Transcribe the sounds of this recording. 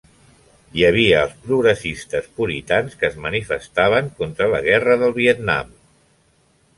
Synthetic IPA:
jəβ̞iəːlˠspɾuɣɾəsist̪əspuɾit̪anskəːzmənifəst̪aβ̞əŋkont̪ɾələ̰ɣɛrəðəlˠβiət̪na̰m

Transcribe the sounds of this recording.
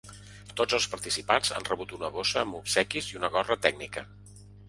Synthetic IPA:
t̪od͡zəlˠspəɾt̪isipanza̰nrəβut̪unəβosəːmupsɛkiziunəɣɔrət̪ɛɡ̚nikə

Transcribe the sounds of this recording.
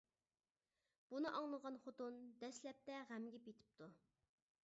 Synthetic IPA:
b̥unɨʔɑŋlˠəʁɑnχot̪und̪ɛslɛp̚t̪ɛʁæmɡʲɛpjet̪ʰɪ̥p̚t̪ʰu

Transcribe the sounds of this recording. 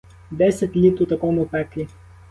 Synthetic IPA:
d̪ɛsɛt̪lʲit̪ɾot̪ɐkɔmʊpɛkli

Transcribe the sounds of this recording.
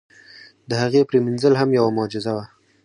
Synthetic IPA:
d̪əhaɣepɾeminzəlɦamjawamʊd͡ʒɪzawa

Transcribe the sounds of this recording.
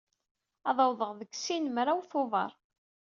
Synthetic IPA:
ɑðˤɑwðˤəʁðəɡsinmɾawθoðˤɑ̰ɾˤ

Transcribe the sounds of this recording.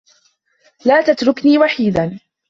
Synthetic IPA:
laːt̪at̪ɾʊkniːwaħiːd̪an

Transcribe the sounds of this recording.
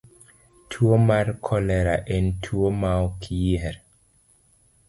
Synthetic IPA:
tʰuomaɾkʰɔlɛɾaʔɛntʰuomawkʰiɛɾ

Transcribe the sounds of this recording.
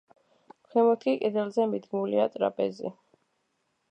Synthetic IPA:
χʰɛmɔt̪ʰkʰikʼid̪ɛlˠzɛmid̪ɡmuliat̪ʼɾa̰pʼɛzḭ

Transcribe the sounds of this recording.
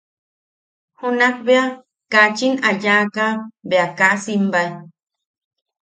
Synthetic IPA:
hunak̚bea | kat͡ʃinajakabeakaʔsimbaj

